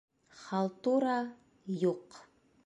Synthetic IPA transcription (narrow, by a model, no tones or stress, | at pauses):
χɑlˠt̪uɾɑ | juq